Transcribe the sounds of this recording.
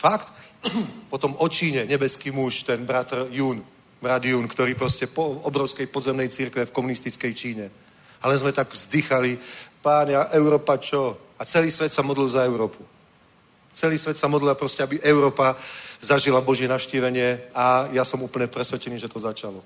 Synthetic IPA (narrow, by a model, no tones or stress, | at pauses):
fakt̪ | pɔt̪ɔmɔt͡ʃiːɲɛɲɛbɛskiːmuʃt̪ɛnbɾat̪rjuːn | bɾad̪juːnkt̪ɔɾiːpɾɔscɛpɔɔbɾɔʊskɛjpɔd̪zɛmnɛjt͡siɾkʋɛfkɔmunist̪it͡skɛjt͡ʃiːɲɛ | alɛnzmɛt̪aɡzd̪ixalipaːɲaʔɛʊɾɔːpat͡ʃɔat͡sɛliːsʋɛt̪samɔd̪lilzaɛʊɾɔːpu | t͡sɛliːsʋɛt̪samɔd̪lilapɾɔscɛabiʔɛʊɾɔːpazaʒilabɔʒɪɛnafʃciːʋɛɲɪɛajasɔmuːpl̩ɲɛpɾɛsʋɛt͡ʃɛniːʒɛt̪ɔzat͡ʃalɔ